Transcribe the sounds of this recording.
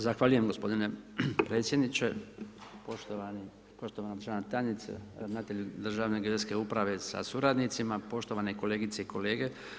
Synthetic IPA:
zaxʋaːʎuje̞mɡo̞spo̞d̪ine̞pɾe̞ːt̪sʲje̞d̪nit͡ʃepoʃt̪oani | po̞ʃt̪oʋanad̪ɾrʒanat̪anit̪sḛnaːt̪eʎud̪r̩ʒaːʋneɡed̪eske̞upɾaʋe̞sa̰suɾad̪nit̪simapo̞ʃt̪o̞ʋane̞ko̞leːɡit̪seiko̞le̞ːɡe̞

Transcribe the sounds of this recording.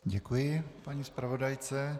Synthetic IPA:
ɟɛkujɪpaɲiːspɾavo̞dajt͡sɛ

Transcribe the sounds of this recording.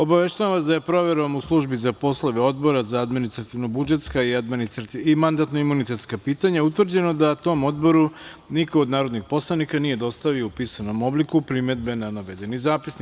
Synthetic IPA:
o̞baʋe̞ʃt̪aaʋasd̪ajapɾo̞ʋe̞ɾomuslˠuʒbizapo̞slˠoʋeo̞d̪bo̞ɾazaad̪minist̪ɾat̪iʋnobud͡ʒe̞t̪skaiad̪minist̪ɾat̪iimand̪at̪no̞imunit̪e̞t̪skapiːt̪aɲaut̪ʋr̩d͡ʑe̞no̞d̪at̪o̞mo̞d̪bo̞ɾu | nikood̪naːɾod̪nixpo̞slˠanikanije̞d̪o̞st̪aʋio̞upisano̞mo̞blikupɾime̞d̪be̞nanaʋe̞d̪e̞nizaːpisnik

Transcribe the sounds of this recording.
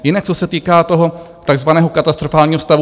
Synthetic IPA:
jɪnak̚t͡sosɛt̪iːkaːt̪o̞ɦo̞ | t̪aɡzvanɛːɦo̞kat̪ast̪ɾofaːlɲiːɦost̪avu

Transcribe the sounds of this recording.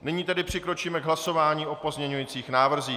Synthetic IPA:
nɪɲiːt̪ɛdɪpr̝̥ɪkɾo̞t͡ʃiːmɛɡɦlaso̞vaːɲiːʔo̞po̞zmɲɛɲujiːt͡siːxnaːvr̩ziː

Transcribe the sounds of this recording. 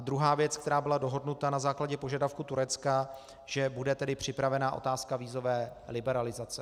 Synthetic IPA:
ad̪ɾuɦaːvjɛt͡skt̪ɛɾaːbɪlado̞ɦo̞dnut̪anazaːklaɟɛpo̞ʒadafkut̪uɾɛt͡ska | ʒɛbudɛt̪ɛdɪpr̝̥ɪpɾavɛnaʔo̞̰t̪aːskaviːzo̞vɛːlɪbɛɾalɪzat͡sɛ

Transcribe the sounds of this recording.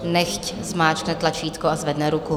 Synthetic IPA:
nɛxczmaːt͡ʃknɛt̪lat͡ʃiːt̪koazvɛdnɛɾuku

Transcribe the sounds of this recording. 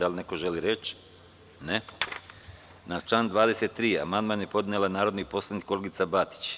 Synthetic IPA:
alneko̞ʒeliɾet͡ɕ | ne | nat͡ʃland̪ʋaːd̪e̞set̪ːɾiːa̰mand̪maːnje̞po̞d̪nelanaːɾod̪nipo̞slˠanik̪koleɡit̪sabat̪i̥t͡ɕ

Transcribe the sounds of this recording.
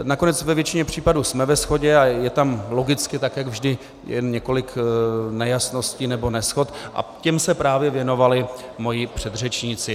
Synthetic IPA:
nako̞nɛt͡svɛvjɛt͡ʃɪɲɛpr̝̥iːpaduːsmɛvɛsxo̞ɟɛajɛt̪amlo̞ɡɪt͡skɪt̪akjaɡvʒdɪ | jɛ̰nɲɛko̞lɪknɛjasno̞sciːnɛbo̞nɛsxo̞t̪ʔa̰cɛmsɛpɾaːvjɛvjɛno̞valɪmo̞jɪpr̝̥ɛd̪r̝ɛt͡ʃɲit͡sɪ

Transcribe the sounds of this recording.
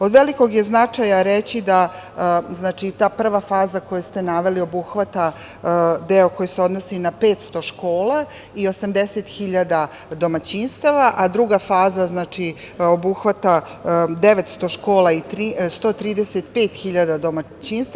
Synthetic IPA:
o̞d̪ʋe̞liko̞ɡje̞znat͡ʂajaɾet͡ɕid̪a | znaːt͡ʃit̪aːpr̩ʋafaːzako̞jest̪e̞naʋe̞lio̞buxʋat̪a | d̪eo̞ko̞jeseod̪nosinape̞ːt̪st̪o̞ʃkoːla | io̞samd̪eset̪xiʎad̪a | d̪o̞mat͡ɕinst̪aʋaʔad̪ɾuɡafaːzaznaːt͡ʃi | obuxʋat̪ad̪e̞ʋet̪st̪o̞ʃko̞ːlait̪ɾist̪o̞ːt̪ɾiːd̪eset̪pe̞ːt̪xiʎad̪ad̪oma | t͡ɕiːnst̪

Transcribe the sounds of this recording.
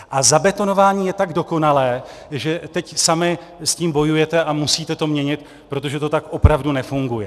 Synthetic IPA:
ʔazabɛt̪o̞no̞vaːɲiːjɛt̪aɡdo̞ko̞nalɛː | ʒɛt̪ɛcsamɪ | sciːmbo̞jujɛt̪ɛamusiːt̪ɛt̪o̞mɲɛɲɪt̪ | pɾo̞t̪o̞ʒɛt̪o̞t̪akʔo̞pɾavdunɛfuŋɡujɛ

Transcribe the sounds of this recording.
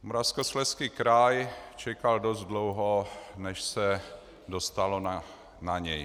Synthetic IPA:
moɾafskoslɛskiːkɾajt͡ʃɛkaldozt̪dlowɦonɛʃsɛ | dost̪alona | naɲɛj

